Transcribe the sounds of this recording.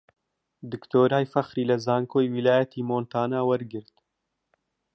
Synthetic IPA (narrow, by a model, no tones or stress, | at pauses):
d̪ɨkt̪oːɾaːjfɐxɾiːlɐzaːŋkoːjwilaːjɐt̪ʰiːmoːnt̪aːnaːwɐɾɡɨɾt̪